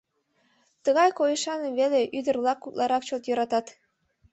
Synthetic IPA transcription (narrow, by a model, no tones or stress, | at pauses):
t̪əɣɑjkojəʃɑneβeleʔyd̪ərlɑkːuk̪lˠʔɑɾɑk̚t͡ɕot̪jøɾɑt̪ɑt̪